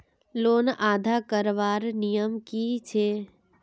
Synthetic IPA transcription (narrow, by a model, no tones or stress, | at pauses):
loːnaːd̪ʱakəɾʋaːɾnijəmkit͡ʃʰe